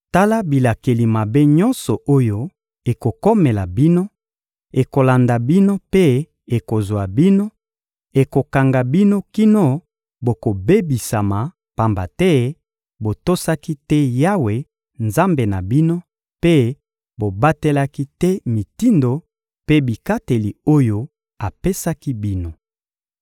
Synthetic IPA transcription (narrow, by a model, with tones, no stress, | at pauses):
ta˦la˦bi˨la˨ke˨li˨ma˨be˦ɲɔ̃˦nsɔ˨ʔo˦jo˦ | e˨ko˨ko˦me˨la˨bi˦no˦ | e˨ko˨la˨nda˨bi˦no˦pe˦ | e˨ko˨zwa˨bi˦no˦ | e˨ko˨ka˨ŋɡa˨bi˦no˦ki˦no˦ | bo˨ko˨be˦bi˨sa˨ma˨ | pa˨mba̰˨tɛ˦ | bo˨to˦sa˦ki˦tɛ˦ja˦we˨ | nza˦mbe˨na˨bi˦no˦ | pe˦ | bo˨ba˦te˦la˦ki˦tɛ˦mi˨ti˦ndo˨ | pe˦bi˨ka˦te˨li˨o˦jo˦ | a˨pe˦sa˦ki˦bi˦no˨